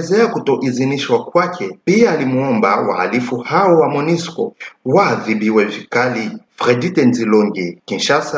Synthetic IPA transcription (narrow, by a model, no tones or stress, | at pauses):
zɛakutɔʔiziniʃwakwakʰɛpiaːlimuɔmba̰wa̰ha̰lifuhaɔwamɔniskɔ̰waðibiwɛvikalifɾɛditɛnzilɔŋɡɛkinʃasa